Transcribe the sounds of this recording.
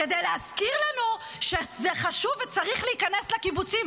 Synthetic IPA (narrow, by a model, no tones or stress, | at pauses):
kedejleaskiʁlanu | ʃezeχaʃuvet͡saʁiχleikane̞slakibut͡sim